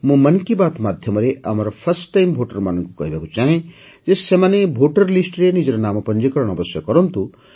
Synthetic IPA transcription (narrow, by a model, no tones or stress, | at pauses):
mũmɐnkibat̪mad̪ʱjɔmɔɾeʔa̰mɔɾɔpʰɐɾsʈːajmbʱoʈɐɾmanʌŋkukɔ̰ɦibakut͡ʃaɦẽ | d͡ʒesemanebʱoʈɐɾlisʈɾenid͡ʒɔɾɔnaːmɔpɐnd͡ʒikɔɾɔɽ̃ɔbɔsjɔkɔɾɔnt̪u